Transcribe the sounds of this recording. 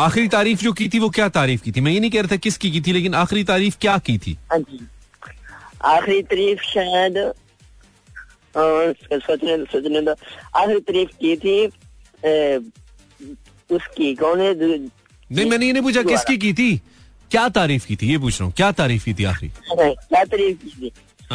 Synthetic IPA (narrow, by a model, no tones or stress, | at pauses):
aːxɪɾit̪aːɾiːfd͡ʒoːkiːt̪ʰiʋokjaːt̪aːɾiːfkiːt̪ʰimɛ̃ːjenɐɦĩkɛɦɾaːt̪ʰakɪskik̬iːt̪ʰileːkɪnaːxɾit̪aːɾiːfkjaːkiːt̪ʰḭːd͡ʒi | aːxɾit̪ɐɾiːfʃaːjəd̪ | sot͡ʃnesot͡ʃnẽd̪aaːxɾit̪əɾiːfkiːt̪ʰi | ʊskikõːne | nɐɦĩmɛ̃ːnejenɐ̃ĩpuːt͡ʃʰakɪsskik̬iːt̪ʰiː | kjaːt̪aːɾiːfkiːt̪ʰijep̬uːt͡ʃʰɾaɦũkjaːt̪aːɾiːfkiːt̪ʰia̰ːxɾḭñkjaːt̪ɐɾiːfkiːt̪iː